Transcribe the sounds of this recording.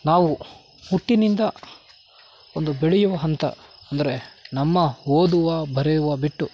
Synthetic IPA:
naːʋu | muʈːinind̪ɐ | ond̪ubeɭɛjuʋɐɦɐnt̪ɐ̰ɐnd̪ɐɾe̞nɐmːɐɦoːd̪uʋɐbʱɐɾɛjuʋɐbiʈːu

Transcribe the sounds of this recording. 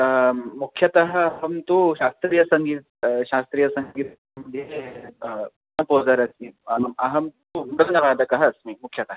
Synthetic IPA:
mukʰjɐt̪ɐɦɐɦɐmt̪uːɕast̪ɾiːjɐsəŋɡiːt̪̚ɕast̪ɾiːjɐsəŋɡiːt̪ | mɐd̪ʱje | nɐpod͡zaɾɐkiaɦmɐɦɐmt̪umuɽɐlnɐʋad̪ɐkɐɦət͡smimukʰjɐt̪ɐɦ

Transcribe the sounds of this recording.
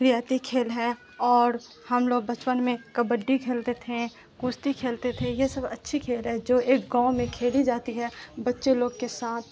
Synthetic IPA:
ɾijaːt̪ikʰeːlɦɛ | ɔːɾ | hɐmloːɡ̚bɐt͡ʃpənmẽkɐbəɖːikʰeːlt̪et̪ʰẽ | kuːst̪ikʰeːlt̪et̪ʰẽjesɐbɐtːʃʰikʰeːlɦɛd͡ʒoːeːk̚ɡãːʊ̃mẽkʰeːlid͡ʒaːt̪iɦɛbɐtːʃeloːɡkesaːt̪ʰ

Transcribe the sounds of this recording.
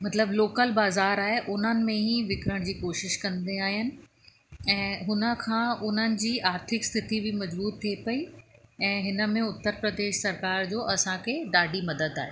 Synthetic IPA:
mɐt̪ləbloːkəlbaːzaːɾaːɦeʔʊn̤ənɪ̆mẽɦiʋɪkɾəɽ̃d͡ʑiːkoːʃɪʃkɐ̃nd̪eaːɦiənɪ̆ | ɛ̃ːɦʊnə̆kʰãːʔʊn̤ənɪ̆d͡ʑiːʔaːɾt̪ʰɪkst̪ʰɪt̪ibɪmɐd͡ʑbuːt̪t̪ʰːiepɐiɛ̃ːɦɪnə̆mẽʊt̪ːəɾpɾɐd̪eːʃsɐɾkaːɾd͡ʑoːʔɐsãkʰeːɗaːɖʱimɐd̪əd̪aːɦeː

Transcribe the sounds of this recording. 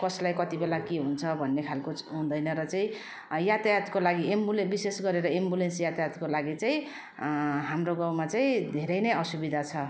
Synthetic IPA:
kʌslajkʌt̪ibelakeɦunt͡sʰʌbʱʌnːekʰalkoɦũnd̪ʌjnʌɾʌt͡saĩ | jat̪ajat̪kolaɡiʔembulebisesɡʌɾeɾʌembulensjat̪ajat̪kolaɡit͡saĩ | ɦamroɡawmat͡saĩd̪ʱeɾʌjnʌjʌsubid̪ʱat͡sʰʌ

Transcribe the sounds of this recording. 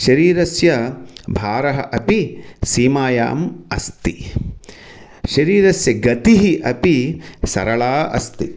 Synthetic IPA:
ʃɐɾiːɾɐsjɐbʱaːɾɐɦɐ̰ʔɐpisiːmaːja̰ːmɐ̰st̪i | ʃɐɾiːɾɐsjɐɡɐt̪iɦiʔɐpisɐ̰ɾɐɭaːɐ̰st̪i

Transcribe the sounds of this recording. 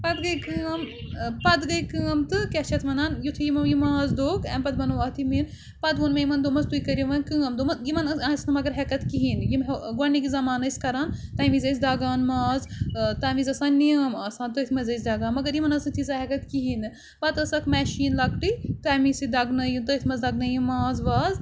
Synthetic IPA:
pɐd̪ɡɐjkɨɐmpɐd̪ɡɐjkɨːɐmt̪ɨkɛt͡ʃʰɐt̪mɐnaːnjut̪ʰijimɐmjimaːzd̪oːɡɛmpɐd̪bɐnuʋaːt̪ʰimin | pɐd̪unmejimɐnd̪omɐst̪uikɐɾiʋɐnkɨːɐmd̪omɐjimɐnɐãsnɐmɐɡɐɾɦɛkɐt̪kiɦiːnjimɡɐnikizɐmaːnɐsʲkɐɾaːnt̪ɐːmiːzɐjs̬ʲd̪aːɡaːnmaːzt̪aːmiːzɐsãːnnijɐmɐsãːnt̪ət̪ʰmɐzɐjs̬ʲd̪aːɡaːnmɐɡɐɾjimɐnɐsit̪ʰizaːɦɛkɐt̪kiɦiːnɨ | pɐt̪ɐsɐkʰmɛːʃiːnlɐɡʈit̪aːmisid̪ɐɡnɐjit̪ət̪ʰmɐzd̪ɐɡnɐjimaːzʋaːz

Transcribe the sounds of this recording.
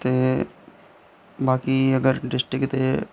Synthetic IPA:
t̪e | baːkiɐɡəɾɖɪsʈɾɪkt̪e

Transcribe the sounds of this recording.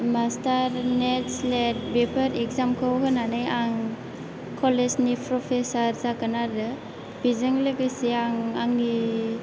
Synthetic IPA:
mastaɾnetslet̚bepʰəɾekzamkʰɯwɦɯnanajaŋ | kʰɔleznipʰɾɔpʰesaɾzakɯnaɾɯ | b̥izɯŋlɯɡɯsiaŋaŋːi

